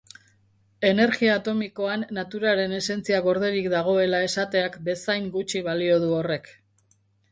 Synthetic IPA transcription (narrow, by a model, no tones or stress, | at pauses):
e̞ne̞ɾɣiaːt̪o̞miko̞anːat̪uɾaɾe̞ne̞se̞nt͡siaɣo̞ɾðe̞ɾikd̪aɣ̞o̞e̞lae̞sat̪e̞akbe̞sajŋɡut͡ʃiβalio̞ð̞uo̞re̞k